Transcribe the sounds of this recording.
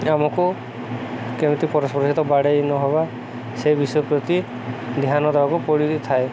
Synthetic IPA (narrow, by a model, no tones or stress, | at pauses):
amɔku | kewt̪ipɔɾɔspɔɾsit̪ɔbaɽejnɔɦɔba | sejbisɔjɔpɾɔt̪i | d̪iɦanɔd̪ʱaɔkupɔɽit̪ʰae